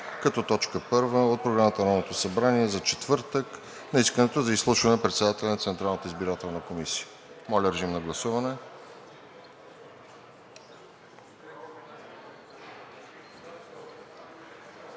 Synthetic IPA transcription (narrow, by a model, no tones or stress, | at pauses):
kɐt̪ɔt̪ɔt͡ʃkəpɤɾvəot̪̚pɾoɡɾamət̪əɾɔnot̪osɐbɾaniɛzɐt͡ʃɛt̪vɤɾt̪ək | nɐiskənɛt̪ozɐislˠuʃvɐnɛpɾɛt̪sɛd̪at̪ɛlʲɛnɐt̪sɛnt̪ɾalˠnət̪əizbiɾat̪ɛlˠnəkomisi̥jə̥ | mɔlʲəɾʒimnɐɡlˠɐsuvɐnɛ